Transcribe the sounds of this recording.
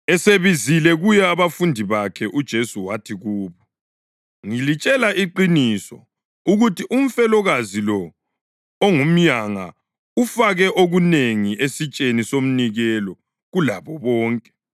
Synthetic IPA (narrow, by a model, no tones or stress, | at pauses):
ɛseβizilɛɣujɛaβafundʱiβakʰɛʔud̥ʒ̥ʱesuwatʰiɣuːβɔ | ŋilit͡ʃʼɛlaʔiǃinisɔ̰ | uɣutiʔum̩fɛlɔɣazilɔ | oŋum̩ɲaŋa̰ | ufaɣɛʔoɣuneŋiʔesit͡ʃʼenisom̩niɣɛlɔ | ɣulaβɔβɔːŋkʼɛ̥